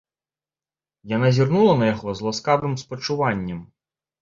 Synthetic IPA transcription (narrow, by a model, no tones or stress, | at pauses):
janazʲirnulˠɐnɐjaɣɔzlˠaskabɾɨmspɐt͡ʂuvanʲːɐm